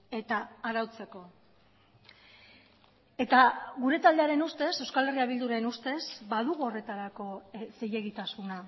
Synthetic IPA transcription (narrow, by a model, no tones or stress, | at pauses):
e̞t̪aːɾawt͡se̞ko̞ | e̞t̪aɣuɾe̞t̪ald̪eaɾe̞nust̪e̞se̞wskale̞riaβ̞ild̪uɾenust̪e̞sbaðuɣuo̞re̞t̪aɾako̞se̞je̞ɣit̪asuna